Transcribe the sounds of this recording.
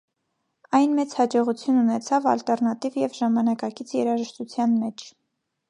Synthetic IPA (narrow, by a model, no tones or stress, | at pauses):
ɑjnmɛt͡shɑd͡ʒɔʁut͡sʰjununɛt͡sʰɑvɑ̰lt̪ɛrnɑt̪ivjɛvʒɑmɑnɑkɑkit͡sʰjɛɾɑʒəʃt̪ut͡sʰjɑnmɛt͡ʃʰ